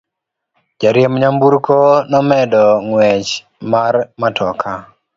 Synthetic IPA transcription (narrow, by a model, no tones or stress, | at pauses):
d͡ʒaɾjemɲambuɾkonɔmɛdɔŋwɛt͡ʃ | marmatʰɔkʰa